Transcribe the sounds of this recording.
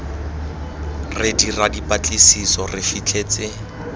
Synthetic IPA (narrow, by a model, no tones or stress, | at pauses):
rɪdiradipʼat͡ɬʼɪsisɔrɪfit͡ɬʰʼeːt͡sɪ